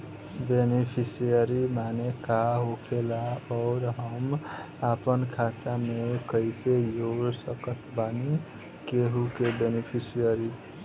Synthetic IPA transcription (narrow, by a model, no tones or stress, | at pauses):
benipʰisijəɾimanekaɦokʰelaɔːɾɦəm | apənkʰat̪amekəɪsejoɡsəkət̪ʰbani | keɦukebenipʰisijəɾi